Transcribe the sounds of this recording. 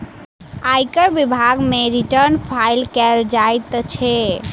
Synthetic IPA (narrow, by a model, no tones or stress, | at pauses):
ajkəɾbibʱaɡmeɾiʈəɾnpʰailkɛld͡ʒajt̪t͡ʃʰɛ